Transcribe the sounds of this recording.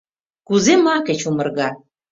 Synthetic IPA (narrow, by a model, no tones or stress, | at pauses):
kuzemɑket͡ɕumə̆rɣɑ